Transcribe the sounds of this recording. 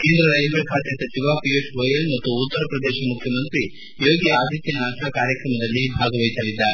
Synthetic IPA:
keːnd̪ɾɐɾɐjd͡ʒʋɐɭkʰaːt̪jɐsɐt͡ʃiʋaːpijoʃʋoːjɐlmɐt̪ːuːt̪ːɐɾɐpɾɐd̪ɛːʃɐmukʰjɐmɐnt̪ɾi | jo̞ːɡiaːd̪ʱit̪jɐnɐaɐʃakaːɾjɐkɾɐmɐd̪ɐlːibʱaːɡɐʋɐjisaːɭid̪ːɐ

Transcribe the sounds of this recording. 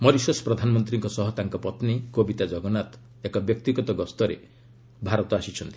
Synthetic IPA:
mɔɾisɔspɾɔd̪ʱanɔmɔnt̪ɾiŋkɔsɔɦɔt̪aŋkɔpɔt̪nikobit̪ad͡ʒɔɡɔnat̪ | ekɔbjɔk̚t̪iɡɔt̪ɔɡɔst̪ɔɾḛ | bʱaɾɔt̪ɔasit͡ʃʰɔnt̪i̥

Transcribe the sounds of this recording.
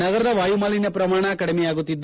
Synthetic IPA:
nɐɡɐɾɐd̪ɐʋaːjumaːlinːɐpɾɐmaːɳɐːkɐɽɐmɛjaːɡut̪ːid̪ː

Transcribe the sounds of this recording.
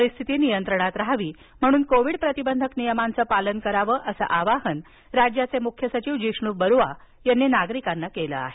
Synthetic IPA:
ɾist̪ʰit̪iːnijənt̪ɾəɽ̃at̪ɾɦaʋiː | m̤əɽ̃uːnkoʋiɽpɾət̪ibənd̪ʱəknijəmant͡səːpalənkəɾaʋəːʔəsə̰ʔaʋaɦən | ɾad͡ʑjat͡semukʰjəsət͡ɕiːʋd͡ʑiʂɳuːbəɾuʋa | janːinaɡɾikanːakelə̰a̰ɦe

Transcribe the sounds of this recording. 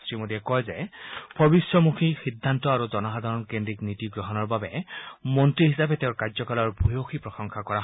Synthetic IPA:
stɹimodiɛkɔjzɛb̥ʱɔbisɹɔmukʰixidʱːantɔaɹuzɔnɔxad̪ʱaɹɔnkendɹiknitiɡɹɔɦɔnɔɹbabɛmɔntɹiɦisapɛteʊ̃ɹkad͡ʒzɔkalɔɹbʱujoxʰipɹɔxɔŋxʰakɔaɦ

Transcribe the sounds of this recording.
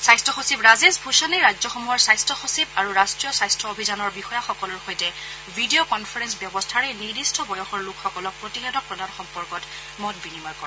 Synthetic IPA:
sajstʰɔxosibɹazesbʱuʃaniɹad͡ʒzɔxɔmuɦɔɹsajstʰɔxosibaɹuɹastɹijɔsajstʰɔobʱizanɔɹbixɔjaxɔkɔlɔɹxojtɛ | bʱidijokɔnpʰaɹɛnsbjɔbɔstʰaɹɛnidistʰɔbɔjɔxɔɹlukxɔkɔlɔk̚pɹotixɛtɔk̚pɹɔdanxɔmpɔɹkɔt | mɔtbinimaɹkɔɛ

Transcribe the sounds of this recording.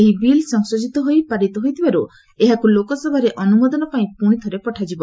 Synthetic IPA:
eɦibilsɔŋsɔd͡ʒit̪ɔɦojpaɾit̪ɔɦojt̪ʰibaɾu | eɦakulokɔsɔbʱaɾeʔɔnumɔd̪ɔnɔpaĩpuɽ̃it̪ʰɔɾepɔʈʰad͡ʒibɔ

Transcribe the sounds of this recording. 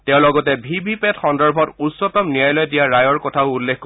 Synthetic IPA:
tɛʊ̃lɔɡɔtɛbʱibʱipɛtxɔndaɹbʱɔtusːɔtɔmnijajlɔjdijaɹajɔɹkɔtʰaʊulːekk

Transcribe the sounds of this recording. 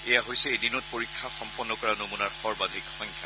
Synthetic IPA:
ɛjaɦojsɛedinɔt̚poɹikʰːaxɔmpɔnːɔkɔɹanomunaɹxɔɹbadʱikxɔŋkʰja

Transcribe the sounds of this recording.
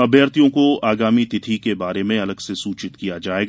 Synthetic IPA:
ɐbʱjəɾt̪ijõkoaːɡaːmit̪ɪt̪ʰikebaːɾemẽɐləɡsesuːt͡ʃɪt̪kijad͡ʒaːeːɡ

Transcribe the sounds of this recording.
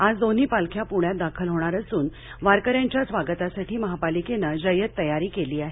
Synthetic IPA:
ad͡zd̪on̤iːpalkʰjapuɳjat̪̚d̪akʰəlɦoɽ̃aɾəsuːn | ʋaɾkəɾjaɲt͡ɕjasʋaɡət̪asaʈiːməɦapalikenad͡ʑəjət̪ːəjaɾiːkeliːaɦe

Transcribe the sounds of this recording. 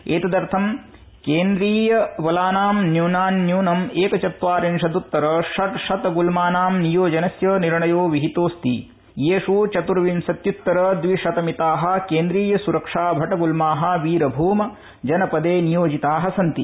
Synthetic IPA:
eːt̪ɐd̪ɐɾt̪ʰɐm | keːnd̪ɾiːjɐʋɐlaːnaːmnjuːnaːnːjuːnɐmeːkɐt͡ʃɐt̪ʋaːɾinʃɐd̪ut̪ːɐɾɐʂɐt̪ʃɐt̪ɐɡulmaːnaːmnijoːd͡ʒɐnɐsjɐniɾɳɐjoːʋiɦit̪oːst̪ḭ | jeːʂut͡ʃɐt̪uɾɐʋinsɐt̪jut̪ːɐɾɐd̪ʋiʂɐt̪ɐmit̪aːɦɐ̆keːnd̪ɾiːjɐsuɾɐkʂaːbʱɐʈɐɡulmaːɦɐ̆ʋiːɾɐbʱuːmɐ | d͡ʒɐnɐpɐd̪eːnijoːd͡ʒit̪aːɦɐsɐnt̪i

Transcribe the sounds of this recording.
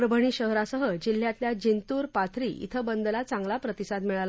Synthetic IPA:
ɾəbʱəɳ̃iːɕəɦɾasəɦəd͡ʑil̤ːjãt̪ljad͡ʑint̪uːɾpat̪ʰɾḭːʔḭt̪ʰəbənd̪əlat͡sãŋɡlapɾət̪isad̪miɭal

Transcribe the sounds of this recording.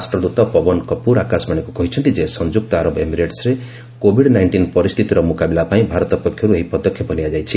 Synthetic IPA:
asʈɾɔd̪ut̪ɔpɔbɔnkɔpuɾakasbaɽ̃ekukɔɦit͡ʃʰɔnt̪id͡ʒesɔnd͡ʒuk̚t̪ɔaɾɔbemiɾeʈsɾe | kobʱiɽnajɳʈinpɔɾist̪ʰit̪iɾɔmukabilapaĩbʱaɾɔt̪ɔpɔkʰjɔɾueɦipɔd̪ɔkʰːjɔbʱɔniad͡ʒajt͡ʃʰi

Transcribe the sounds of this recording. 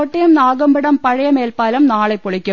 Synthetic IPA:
oʈːɐjɐmnaːɡɐmbɐɽɐmpɐɻɐjɐmeːlpaːlɐmnaːɭepːoɭikʲːu

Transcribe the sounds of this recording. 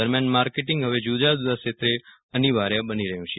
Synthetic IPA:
əɾmjanmaɾkeʈɪŋɡɦəʋed͡ʒud͡ʒad̪ud̪aʃet̪ɾe | əniʋaɾjabəniɾəɦjũt͡ʃʰe

